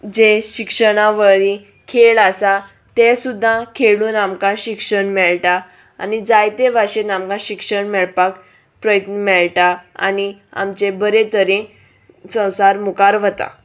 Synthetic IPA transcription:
d͡ʑeɕikʂəɽ̃aʋəɾi | kʰeɭasa | t̪esud̪ʱːãkʰeɭuːnamkãɕikʂəɳmɛɭʈa | a̰nid͡zajt̪eʋaɕenamkãɕikʂəɳmɛɭpak | pɾəjət̪nəmɛɭʈaa̰nia̰mt͡ɕebəɾet̪əɾẽ | sə̃w̃saɾmukaɾʋət̪a̰

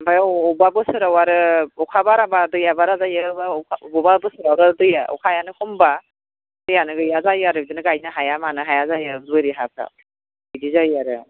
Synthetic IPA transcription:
bajːbabɯsɯɾawaɾɯɔkʰabaɾabadɯjabaɾazajababɔbabɯsɯɾawɾadɯjaɔ̰kʰajanɯkʰɔmba | dɯjanɯɡɯjazajaɾɯbidɯnɯɡajnaɦajamanɯɦajazajaduɯɾiɦapʰa̰ | bidizajaɾɯ̰

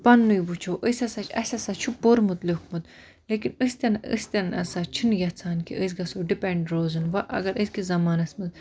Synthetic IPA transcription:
pɐnːujbut͡ʃʰoːʔəsʲɐsat͡ʃʰɐsʲɐsaːt͡ʃʰuboɾmut̪ləkmut̪ | leːkinəsʲt̪ʲɐnə̰sʲt̪ʲɐnɐsaːt͡ʃʰinjʲɐt͡sʰaːnkḭʔəs̬ɡɐsoɖipɛɳɖɾoːzɨnʋɐʔɐ̰ɡɐɾəskizɐmaːnɐsmɨz

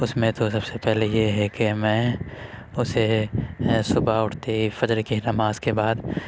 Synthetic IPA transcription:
ʊsmẽt̪osɐbsepɛɦlejeɦɛkemɛ̃ː | ʊse | sʊbaʊʈʰt̪eifɐd͡ʒɾkinɐmaːzkebaːd̪

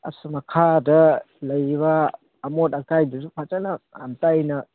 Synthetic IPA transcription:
ɐ̰sɯmakʰadɐ | lɐjbaː | motakajdɯzupʰat͡ʃanaantajnɐ

